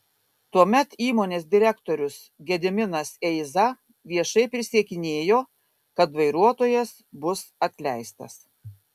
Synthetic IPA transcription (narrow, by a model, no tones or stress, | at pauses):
t̪uɔmʲɛt̪iːmoːnʲeːs̬d̪ʲɪɾʲɛkt̪oːɾʲʊs | ɡʲɛd̪ʲɪmʲɪnɐsɛɪzɐ | ʋʲiɛʃɐɪpʲɾʲɪsʲiɛkʲɪnʲeːjoː | kɐt̪ʋɐɪɾuɔt̪oːjɛs | bʊsɐt̪ʲlʲæɪst̪ɐ̰s